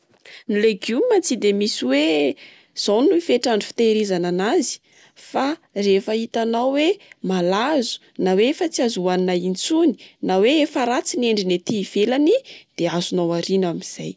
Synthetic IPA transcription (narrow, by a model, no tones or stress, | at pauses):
nileɡjummat͡sid̪emisiwe | z̥awnnuifeʈ͡ʂaɳɖ͡ʐu̥fi̥t̪eɾizananazi̥ | farefəit̪anawwemalazu̥ | nawefat͡siazuaninaint͡suni̥naweefaɾat͡sineɳɖ͡ʐinet̪iːv̥elanid̪̥eazunawaɾinamiz̥aj